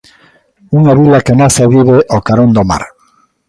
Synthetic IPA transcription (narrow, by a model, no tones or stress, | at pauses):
uŋaβilakenaseβiβeʔokaɾond̪oma̰ɾ